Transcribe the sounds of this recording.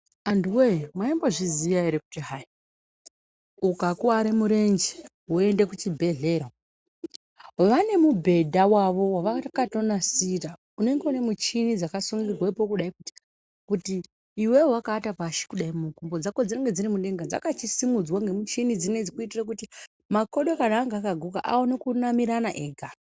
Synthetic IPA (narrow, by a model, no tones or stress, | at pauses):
andiwemwaimboʐizijaeɾeku̥tiɦai | ukakuaɾemuɾe̞nd͡ʒe̥ɦue̞nde̞kut͡ʃibʱe̞ɮe̞ːɾa | ʋane̞mubʱe̞dʱawaʋo̞waʋatakato̞nasira | une̞ŋɡeune̞mut͡ʃinid͡zakasuŋɡirwepo̞kuɗaikuti̥ | kutiː | wewwakaːtapaʃi̥kuɗaimukumbo̞d͡zakod͡zeeŋɡed͡ziɾimuɗe̞ŋɡad͡za̰kat͡ʃisimud͡zwaŋɡe̞mut͡ʃinid͡zine̞d͡zikuitirak̬uti | mako̞ɗokanaːŋɡaːkaɡʱuka̰ʔa̰wono̞kunamiɾanaʔeɡʱa